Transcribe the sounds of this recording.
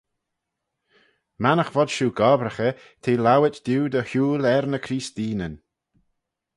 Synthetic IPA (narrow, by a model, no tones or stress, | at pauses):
manəxvɔd̪̥ʃuːɡɔbɾəxə | t̪ʰeːlawɪtd̪uːd̪əhuːlɛɾnəkʰɾiːst̪iːnən